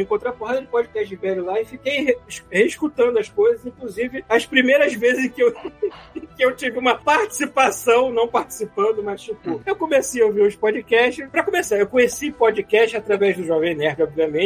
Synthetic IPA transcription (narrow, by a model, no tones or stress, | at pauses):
ĩkõt̪ɾapɔhd̪ɐd͡ʒɪpɔd͡ʒɪkɛʃt͡ʃɪɪvɛlʊlaɪfikejeʃheiʃkut̪ɐ̃nd̪ʊɐskojzɐzĩkluzivɪɐspɾimejɾɐzvezɪzẽkɪewẽkɪewt͡ʃivɪũmɐpaɾt͡ʃi̥sipasɐ̃w̃nɐ̃w̃paɾt͡ʃi̥sipɐ̃nd̪ʊmɐst͡ʃipʊewkõmesejɐoviɾʊspɔd͡ʒikɛʃt͡ʃɪʃpɾɐkomesaewkõɲesipod͡ʒikɛʃt͡ʃɪat̪ɾavɛzd̪ʊʒɔvẽẽnɛɾd͡ʒɪɔbviɐmẽ